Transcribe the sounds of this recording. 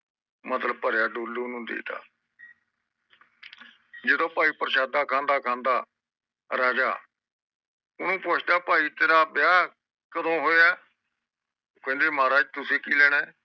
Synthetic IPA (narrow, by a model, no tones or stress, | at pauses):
mət̪ləb̚pəɾjaːɖuːlːnũːd̪ḛːt̪a̰ː | d͡ʒɪd̪õːpaːiːpəɾʃaːd̪aːkʰãːnd̪aːkʰãːnd̪aː | ɾaːd͡ʒa̰ː | ʊnũːpʊt͡ʃʰd̪aːpaːiːt̪eːɾaːbjaː | kəd̪õːɦoːaː | kɛ̃ːnd̪eːmaːɾaːd͡ʒt̪ʊsẽːkiːlɛːɽ̃eː